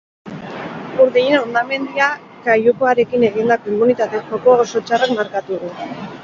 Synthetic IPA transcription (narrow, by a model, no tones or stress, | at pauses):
uɾðejenond̪ame̞nd̪ia | kajuko̞aɾe̞kine̞ɣ̞ind̪ako̞imunit̪at̪e̞xoko̞so̞t͡ʃarakmaɾkat̪uðu